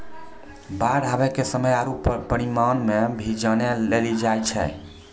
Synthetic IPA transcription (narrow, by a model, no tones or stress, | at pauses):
baɽʱabɛkesəməjaɾuppəɽimanmebʱid͡ʒənelelid͡ʒajt͡ʃʰɛ̰